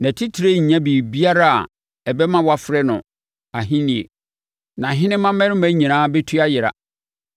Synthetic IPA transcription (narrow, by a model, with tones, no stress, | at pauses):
næ̃˨tʰi˦tʰi˨ɾe˦ɲ̩˨ɲã˦biː˨bi˦a˦ɾa˦a̰˨ | ɛ˨bɛ˦mã˦wa˦fɾɛ˦nʊ̰̃˨ | a˨ɦĩ˦nĩ˨ḛ˨ | nã˨ɦɪ̃˦nɪ̃˦mã˦mɛ̃˦ɾɪ˦mæ̃˦ɲĩ˨nãː˦bɛ˦tʰu˦a˦jɪ˨ɾa̰˨